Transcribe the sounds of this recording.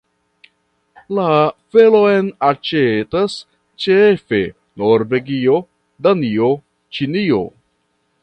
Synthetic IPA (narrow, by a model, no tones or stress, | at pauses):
lafe̞lo̞jnat͡ʃetas | t͡ʃefe̞ | noɾve̞ɡio̞ | danio | t͡ʃinio̞̰